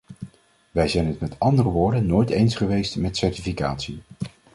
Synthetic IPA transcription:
ʋɛjzɛjnɦətmɛtʰɑndərəʋʊːɹdənːoːjtejnsχəʋejstmɛtsɛɹtifikaːtsi

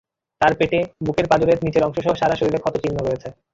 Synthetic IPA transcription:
t̪aɾpeʈebukeɾpad͡ʑoɾeɾnit͡ɕeɾɔŋʃoʃɔɦoʃaɾaʃoɾiɾekʰɔt̪ot͡ɕinːoɾojet͡ɕʰe

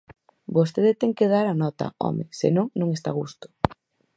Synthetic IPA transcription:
bost̪eðet̪ɛŋkeð̞aɾanɔt̪ɐ̰ɔ̰mesḛnõŋnõŋest̪a̰ɣ̞ust̪ʊ̥

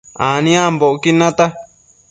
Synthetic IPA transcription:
ãnĩãmboʔokinãt̪a

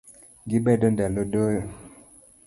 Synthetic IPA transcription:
ŋɡibɛdɔndalodojɔ

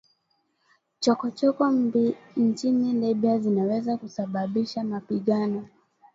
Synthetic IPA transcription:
t͡ʃɔkɔt͡ʃɔkɔmbint͡ʃinilɛɓiazinawɛzakusaɓaɓiʃamapiɠanɔ

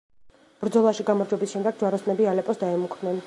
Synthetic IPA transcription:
b̥ɾd̪zɔlˠaʃiɡamɔɾd͡ʒɔbisʃɛmd̪ɛɡ̚d͡ʒwaɾɔsnɛbialɛpʼɔsd̪aɛmukʰvnɛn

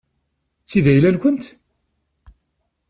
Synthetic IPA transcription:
t͡sːiðæjlælkʷənt̪

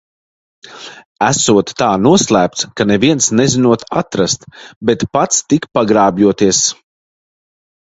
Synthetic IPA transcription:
æsuɔt̪ːaːnuɔslˠæːp̚t̪skanɛviɛnsnɛzinuɔt̪at̪ɾast̪bɛt̪pat̪st̪ikpaɡɾaːbʲjuɔt̪iɛs

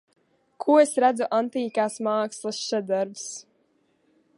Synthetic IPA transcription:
kʰuɔesɾæd̪zuʔant̪iːkaːsmaːkslˠɨsʃad̪aɾbs

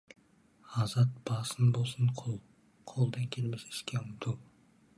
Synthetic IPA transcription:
ɑzɑt̪̚b̥ɑsənbo̞lˠsəɴqʰolˠ | qʰolˠd̪ɑŋkʲʰe̞lmɪzɪ̥ʃkʲeʊmt̪ʰuw

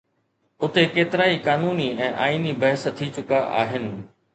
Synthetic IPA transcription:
ʊt̪ekeːt̪ɪɾaːikaːnuːniɛ̃ːʔa̰ːiːnibɐɦəst̪ʰit͡ɕʊkaʔa̰ːɦɪnɪ̆

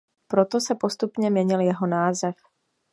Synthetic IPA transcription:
pɾo̞t̪osɛpo̞st̪upɲɛmɲɛɲɪljɛɦo̞naːzɛf

